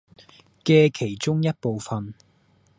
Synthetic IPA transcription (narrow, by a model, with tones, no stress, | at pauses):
kɛː˧kʰe˨˩jt͡ʃʊ˥ŋjɐ˥t̚po˨˧wfɐ˨n